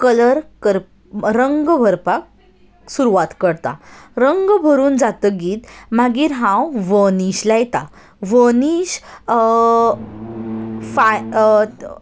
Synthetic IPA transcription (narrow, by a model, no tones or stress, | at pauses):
kələɾkəɾ | ɾəŋɡbʱəɾpak | suɾuʋat̪kəɽt̪a̰ɾəŋɡbʱəɾuːnd͡zat̪əɡiːt̪maɡiːɾɦãwʋəniɕlajɛt̪a | ʋəniɕ | fa